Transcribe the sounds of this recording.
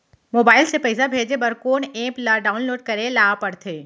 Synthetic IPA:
moːbaːɪlsepɛɪsabʱeːd͡ʒebɐɾkoːnẽːplaɖaːʊnloːɖ̚kɐɾẽlaːapɐɽt̪ʰeː

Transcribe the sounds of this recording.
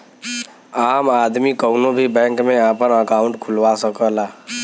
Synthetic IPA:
aːmaːd̪mikəʊnõbʱibɛ̃ːŋkmẽaːpənəkaːʊ̃ɳʈkʰʊlwasəkəlaː

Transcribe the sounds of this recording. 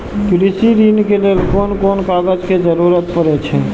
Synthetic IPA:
kɾisiɾiːnkelielkoːnkoːnkaːɡəd͡ʒkezəɾuːɾət̪̚pəɾet͡ʃʰɛ

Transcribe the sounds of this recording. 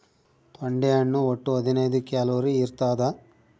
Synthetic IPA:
t̪ɐɳɖiɐɳːuoʈːuɐd̪inɐjd̪ikaːloːɾiːɾt̪aːd̪a

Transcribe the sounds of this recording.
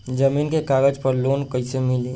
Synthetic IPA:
d͡ʒəmiːnkekaːɡəd͡ʒpəɾloːnkəɪsemɪleː

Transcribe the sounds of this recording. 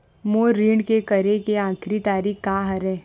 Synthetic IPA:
moːɾiːɳkekəɾekeãːkʰɾit̪aːɾiːkkaɦɐɾeː

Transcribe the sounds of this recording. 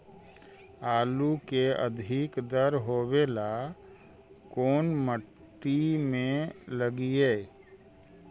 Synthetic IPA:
aːlukeə̰d̪ʱɪkd̪əɾɦoːwela | koːnməʈː | imẽləɡieː

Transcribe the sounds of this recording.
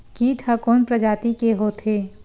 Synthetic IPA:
kiːʈʰhəkoːnpɾəd͡ʒaːt̪ikeɦot̪ʰeː

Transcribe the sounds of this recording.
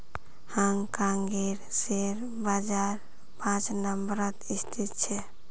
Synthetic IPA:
haŋkaŋɡeɾseɾ | bad͡ʒaɾ | pãt͡ʃnəmbɾət̪ist̪ʰit̪t͡ʃʰɛ

